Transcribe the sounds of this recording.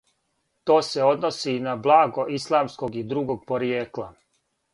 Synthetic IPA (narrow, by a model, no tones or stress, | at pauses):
t̪o̞ːse̞o̞d̪no̞sinablˠaːɡo̞ʔislˠaːmsko̞ɡid̪ɾuɡoɡ̚po̞ɾijeːklˠa